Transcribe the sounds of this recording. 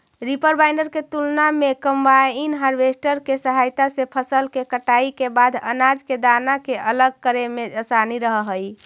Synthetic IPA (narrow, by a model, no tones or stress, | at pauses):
ɾipəɾbajɳɖəɾket̪ulnamekəmbainɦaɾbesʈəɾkesəɦajt̪asepʰəsəlkekəʈaikebad̪ʱə̰nad͡ʒked̪anakeʔələɡ̚kəɾemeəsaniɾəɦəɦəj